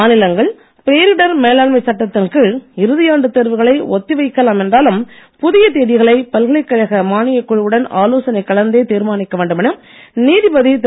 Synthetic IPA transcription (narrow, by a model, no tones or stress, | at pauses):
aːnɪlɐŋɡɐɭ | peːɾɪɽɐɾmeːlaːnmɐɪsɐʈːɐt̪ːɪnkɯɪɾɯðɐjaːɳɖɯt̪ːeɾʋɯɣɐɭɐɪɔt̪ːɪʋɐɪkːɐlaːmɛndraːlɯmpʊðɪjɐt̪eːɽɪɣɐɭɐɪpɐlɣɐɭɐɪkːɐɻɐɣɐmaːnɪjɐkːɔɻʋɯɽɐna̰ːloːsɐnɐɪkːɐɭɐnd̪eːt̪iːɾmaːnɪkːɐʋeːɳɖɯmɛnɯm | niːðɪbɐðit̪